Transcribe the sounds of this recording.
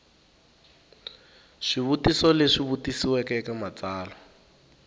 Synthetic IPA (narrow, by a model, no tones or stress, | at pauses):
ʂiβutisɔleʂiβutisiwɛkɛkamat͡saːlɔ